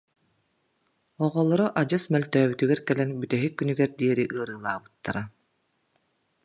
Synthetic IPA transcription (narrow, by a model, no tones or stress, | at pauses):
ɔʁɔlˠɔɾɔʔad͡ʑɯsmɛlt̪œːbyt̪yɡɛɾkɛlɛnbyt̪ɛɦikːynyɡɛɾd̪iɛɾiʔɯɐɾɯːlˠaːbɯt̪ːaɾa